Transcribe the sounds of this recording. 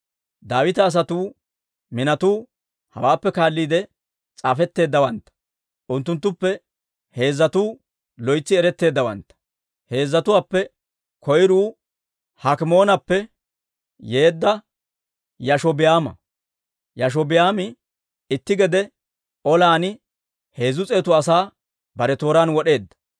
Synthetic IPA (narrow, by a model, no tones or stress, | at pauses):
d̪aːwɪt̪ɐːs̬ɐt̪uː | mɪnɐt̪uː | hɐ̰waːpːɛkaːlːiːd̪ɛ | t͡sʼaːfɛt̪ːe̞ːd̪ːɐwɐnt̪ːɐ̥ | ʔʊnt̪̬ːʊnt̪ːʊpːɛ | he̞ːzːɐt̪uː | lɔjt͡sːɪɛɾɛt̪ːe̞ːd̪ːɐwɐ̰nt̪ːɐ̥ | he̞ːzːɐt̪ʊwaːpːɛ | kʰɔjɾuː | hɐkɪmo̞ːnɐpːɛ | je̞ːd̪ːɐ | jɐʃɔbɪjaːmɐ̰ | jɐʃ̬ɔbɪjaːmɪ | ɪt̪ːɪɡɛd̪ɛ | ʔɔlaːnɪ | he̞ːzʊt͡sʼeːt̪ʊɐsaː | bɐɾɛt̪o̞ːɾaːnwɔɗe̞ːd̪ːɐ̥